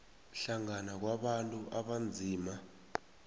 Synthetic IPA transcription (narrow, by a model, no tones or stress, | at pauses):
ɬaŋanak̬waɓantʼuʔaɓand͡zʱiːma